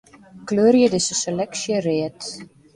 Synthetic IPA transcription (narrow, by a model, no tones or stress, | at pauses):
kløːɾjədɪsəselɛksjəreət